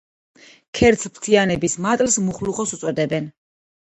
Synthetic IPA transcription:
kʰɛɾt̪sʰpʰt̪ʰianɛbismat̪ʼlsmuχluχɔsut̪sʼwɛd̪ɛbɛn

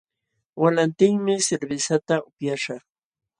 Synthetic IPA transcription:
walant̪ɪŋmɪsɪɾbɪsat̪aʊpjaʃɑχ

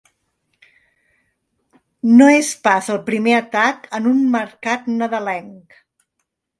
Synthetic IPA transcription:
noespazəlˠpɾimeət̪akənunməɾkat̪nəðəlɛŋk

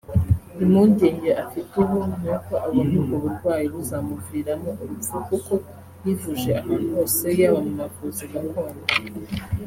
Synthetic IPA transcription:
imuːɲɟeːɲɟeʔafituβun̥uko̞ʔaβunuɡoβuɾɡwaːjiβuzamuviːɾamoʔuɾuukuko̞ | jivuʒeamanhoːse̞jaβamumavuziɡakoːna

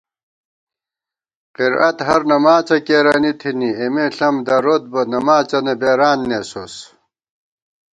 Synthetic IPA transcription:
qiɾɐt̪ɦɐɾnɐmaːt͡ɕɐkeːɾaːnit̪ʰiniemeɬɐmd̪ɐɾot̪̚bɐnɐmaːt͡ɕɐnebeːɾaːnːesos

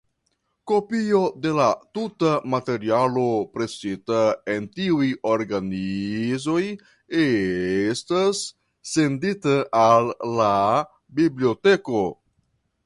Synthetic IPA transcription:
ko̞pio̞de̞latutamate̞ɾialo̞pɾe̞sitae̞ntiujo̞ɾɡanizo̞j | estasː | e̞nditaʔalːa | biblio̞te̞ko̞

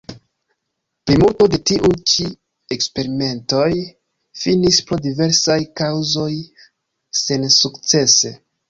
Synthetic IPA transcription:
plimulto̞de̞tiʔujt͡ʃi | e̞kspe̞ɾime̞nto̞j | finispɾo̞dive̞ɾsajkawzo̞j | se̞nsukt͡se̞se̞

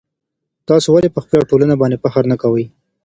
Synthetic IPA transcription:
t̪ɑsowalepəxpəlaʈolanabɑnd̪epaxaɾnakawəj

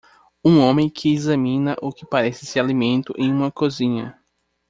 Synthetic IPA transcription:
ũõmẽj̃kʰɪːzɐ̃mĩnɐʔʊkɪpaɾɛsɪsɪalimẽnt̪ʊʔẽj̃ũmɐkozĩɲɐ

